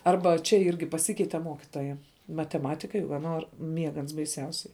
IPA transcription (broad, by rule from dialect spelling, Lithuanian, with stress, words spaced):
ˈɐrbɐ t͡ʃʲɛ ˈɪrʲɡʲɪ pɐˈsʲɪkʲɛɪtʲɛ ˈmuɔkʲɪtoːjɛ mɐtʲɛˈmɑːtʲɪkɐɪ ʋɐ ˈnoːr ˈmʲiɛɡɐ ɐns bɐɪˈsʲɛʊsʲɛɪ